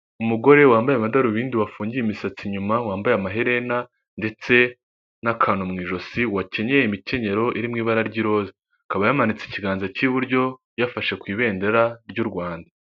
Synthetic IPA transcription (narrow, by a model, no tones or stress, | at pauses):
umuɡo̞ɾe̞waːmbajamadaɾuβiːndiwafuːɲɟijimisat͡siɲumawaːmbajamaɦe̞ɾe̞na | nde̞t͡se̞ | nakʰaːnomŋiːʒo̞siwace̞ɲejimice̞ɲe̞ɾo̞ʔiɾimŋiːβaɾaɾɟiɾo̞ːze | kaβajamanit͡sei̥ciɡaːnzaciβuɾɟo̞ | jafaʃe̞kwiːβe̞ːnde̞ɾaɾɟuɾɡwaːnda